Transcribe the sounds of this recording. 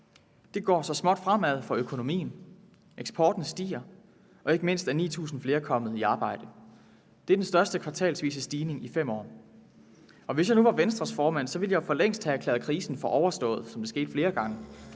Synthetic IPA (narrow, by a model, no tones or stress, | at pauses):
d̥e̝ɡ̥ɒ̰ːsɒ̽smɒ̽d̥fʁam̰æð̞̰ˠfɒ̽økʰo̝no̝mḭːn̩ | eɡ̥sb̥ʰɒːd̥n̩sd̥ḭːɐ | ʔɒ̽e̝ɡ̥əme̝n̰sd̥æɐnḭːt͡sʰṵːsn̩fle̝ːɐkʰɒ̽m̰ð̩ˠiɑ̈ːb̥ɑ̈ɪ̰d̥ə | d̥e̝æɐd̥ensd̥ɶɐsd̥əkʰʋɑ̈t͡sʰɛ̰ːlsʋḭːsəsd̥iːne̝ŋifem̰ɒ̰ː | ɒ̽ʋe̝sjɑ̈ɪnuʋɑ̈ʋensd̥ʁɐsfɒːmæn̰sɒ̽ʋe̝ljɑ̈ɪfɒ̽leŋ̰sd̥hææklɛ̰ːð̩ˠkʰʁiːsn̩fɒ̽ʔɒʊɐsd̥ɔ̰̽ːð̞̩ˠsɒ̽md̥e̝sɡ̥e̝ːd̥fle̝ːɐɡ̥ɑ̈ŋə